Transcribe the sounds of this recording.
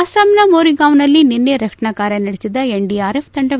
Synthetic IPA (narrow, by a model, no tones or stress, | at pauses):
ɐsaːmnɐmoːɾiŋɡaːʋnɐlːininːeɾɐkʂɐɳɐkaːɾjɐnɐɽesid̪ɐeɳɖiaːɾepʰt̪ɐɳɖɐ